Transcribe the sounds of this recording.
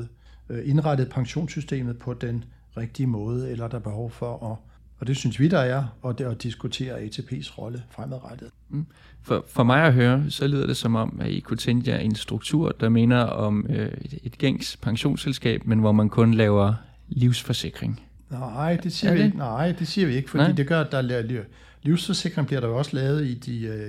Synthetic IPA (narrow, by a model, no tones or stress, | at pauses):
e̝nʁad̥ð̩ˠpʰɑ̈ŋɕo̝̰ːnsysd̥e̝̰ːmð̩ˠpʰɒ̽d̥en | ʁɛɡ̥̚d̥iəmɔ̽ːð̞ˠəelɐd̥ɑ̈b̥e̝ɦɒʊfɒʔɒ | ɒd̥e̝synsʋid̥ɑæɐɒ̽ɒd̥isɡ̥ut͡sʰe̝̰ːɐɛt͡sʰe̝pʰe̝̰ːsʁɒ̽ləfʁamð̩ˠʁad̥əð̩ˠ | fɒfɒ̽mɑ̈ɪɒɦøːɐsɒ̽leð̰ˠɐd̥e̝sɒ̽mɒ̽mæḭkʰut͡sʰeŋɡ̥əæʔe̝nsd̥ʁuɡ̥̚t͡sʰuɐ̰d̥ɑ̈me̝nɐɒ̽møed̥ɡ̥eŋ̰spʰɑ̈ŋɕo̝̰ːnselsɡ̥ɛ̰ːb̥̚menʋɒmænkʰɔ̽nlɛːʊɐ | liʊsfɒ̽se̝ɡ̥ʁeŋ | nɪ̰d̥e̝siɐi̥naɪ̰d̥e̝siːɐʋie̝ɡ̥əfɒdḭːd̥eɡ̥ɶɐd̥ɑ̈lely | liʊsfɒ̽se̝ɡ̥ʁeŋb̥liɐɾɑ̈joɒ̽səlɛːʊð̩ˠid̥i